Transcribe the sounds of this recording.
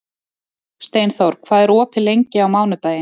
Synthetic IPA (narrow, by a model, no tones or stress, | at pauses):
st̪eːjnθɔwɾ̥kʰv̥aːðɛɾɔːpʰɪlejɲcɪawmaːwnʏt̪aːjɪ